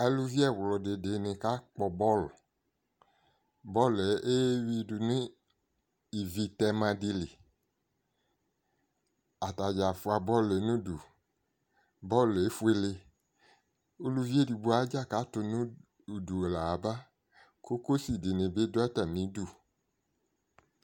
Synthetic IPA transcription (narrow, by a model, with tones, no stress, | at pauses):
ɛ˨lu˧vi˦ɛ˦˨wlɔ˨de˨de˨nẽ˨ka˦k͡pɔ˧bɔ˦˨l | bɔ˦le˨˦e˦wi˧du˨nĩ˦ | i˨vi˧tɛ˧mã˧di˧le˨ | a˨ta˨d͡ʒa˨fu˧a˧bɔ˦le˨˦nũ˦du˨ | bɔ˦le˨˦fu˦e˧le˧ | o˦lu˧vi˦e˦di˨˧bu˨˦a˨˦d͡ʒa˦˨ka˨˦tʊ˧nũ˦ | u˨du˨la˨ba˦ | ko˦ko˦si˨di˨nɪ̃˨be˦dʊ˦a˦ta˨mĩ˨˦du˦˨